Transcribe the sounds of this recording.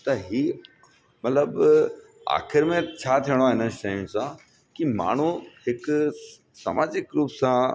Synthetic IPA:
t̪ɐɦiː | mɐt̪ləb | a̰ːxɪɾmẽt͡ɕʰaːt̪ʰijəɽ̃oaːɦɪnəʃaːũsã | kima̰ːɳ̤uhɪk | sɐ̰maːd͡ʑɪkɾuːpsã

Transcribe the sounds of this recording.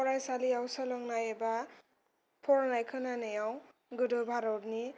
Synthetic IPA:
pɔɾajsaliawsʌlʌŋnajeba | pʰoɾnajkʰʌnanejaw̃ | ɡɯdobʱaɾɔɾni

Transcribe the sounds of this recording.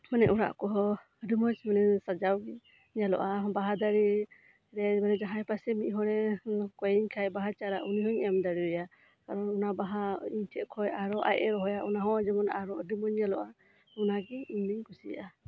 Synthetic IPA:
manɛʔuɾa̰ʔkɔɦɔ | ɾimɔsmanɛsad͡ʒawɡi | ɲalɔ̰ʔabaɦad̪aɾi | ɾɛbanɛd͡ʒaɦajpasɛmiʔɦɔɾɛkɔjɛɲkʰajbaɦat͡ʃaɾaʔuniɦɔɲamd̪aɾiɔja | kaɾɔnunabaɦaiɲtʰɛʔkʰɔjaɾɔʔa̰jʔɛɾɔɦɔjaʔunaɦɔ̃d͡ʒɛmɔnaɾɔdimɔɲːalɔʔa | unaɡiɛiɲniɲkusija̰ʔa

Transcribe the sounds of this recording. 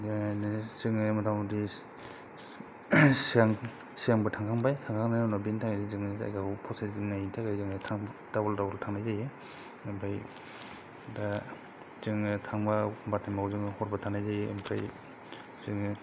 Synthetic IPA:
ŋzɯŋɯmɯtʰaŋdi | saŋ | siaŋbɯtʰaŋkʰaŋbajtʰaŋkʰaŋnajanɔbintʰaŋidizɯŋɯza̰jɡaupʰɔsedinaitʰaɡezɯŋɯtʰaŋdabɔldabɔltʰaŋnajzajɯ | ɯmbʰaj | da | zɯŋɯtʰaŋbabatʰamawzɯmhɔɾbatʰaŋnajzajɯɯ̰mpʰɾaj | zɯŋɯ

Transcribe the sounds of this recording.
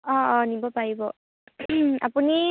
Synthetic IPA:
ɔɔnibɔpajbɔ | a̰puni

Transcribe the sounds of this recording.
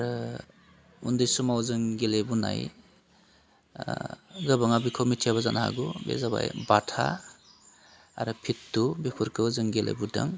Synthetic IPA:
aɾɯ | undɯjsumawzɯŋɡelebuna̰j | ɡɯbaŋabikʰawmitʰijaβazanaha̰ɡubḛzaba̰jbatʰa̰ | a̰ɾɯpʰitːubikʰuɾkʰɯwzɯŋɡelḛbuda̰ŋ

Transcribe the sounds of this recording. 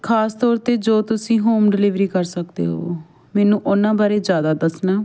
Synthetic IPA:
kʰaːst̪ɔːɾt̪eːd͡ʒoːt̪ʊsĩːɦoːmɖɪlɪʋɾiːkəɾsəkd̪ḛːɦo̰ː | mɛːnũːʔʊnãːbaːɾeːd͡ʒjaːd̪aːd̪əsnaː

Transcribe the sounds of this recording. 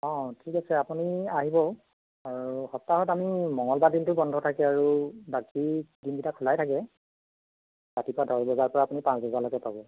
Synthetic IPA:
ɔ̃tʰikasɛapuniaɦibɔ | aɹuuhɔstaɦɔtamimɔŋɔlbadintʊbɔndʱɔtʰakɛaɹubakidinɡitakʰɔlajtʰakɛ | batipɔadɔɹbɔzaɹpɔɹaːpunipãsbɔzalɔkɛpabɔ

